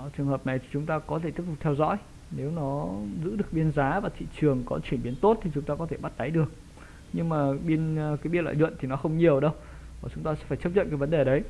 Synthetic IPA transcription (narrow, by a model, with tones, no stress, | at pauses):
t͡ɕɨ˨˩əŋɦəː˨˩p̚na˨˩jt̪ʰi̥˨˩t͡ɕʊ˨˦ŋ͡mt̪aː˧kɔ˨˦e˧˩t̪i˦˥əp̚tʊ˨˩k͡p̚t̪ʰɛ˧wzɔ̰˧˥j | ne˨˦wnɔ˨˦zɨ̰˧˥ɗɨ˨˩ək̚ɓi˧ənzaː˨˦vaː˨˩t̪ʰḭ˧˨t͡ɕɨ˨˩əŋkɔ˨˦t͡ɕwi˧˩ənɓi˨˦ənt̪o˦˥t̚t̪ʰi˨˩t͡ɕʊ˨˦ŋ͡mt̪aː˧kɔ˨˦t̪ʰe˧˩ɓa˦˥t̚t̪a˨˦jɗɨ˨˩ək̚ | ɲɨ˧ŋmaː˨˩ɓi˧ənkaː˨˦ɓi˧nlw̰a̰ː˧˨lwə̰˧˨nt̪ʰi˨˩nɔ˨˦xə˧wŋ͡mɲi˨˩əwɗə˧w | vaː˨˩t͡ɕʊ˨˦ŋ͡mt̪aː˧sɛ̰˧˥faː˧˩t͡ɕə˦˥zə̰˧˨nkːaː˨˦və˨˦nɗe˨˩˨ɗə˨˦j